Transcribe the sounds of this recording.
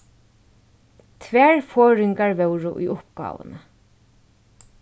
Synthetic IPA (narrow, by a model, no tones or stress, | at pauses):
t̪ʰʋæːɹfɔːɾɪŋkaɹvɛwɾʊʔṵjʊpɡa̰ːʋə̰nə